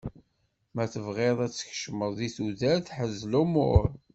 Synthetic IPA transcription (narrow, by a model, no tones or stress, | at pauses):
mæθəvʁeðˤæt͡sːə̥çʃməðˤðiθuðæɾθħəzːlumʊ̰ɾ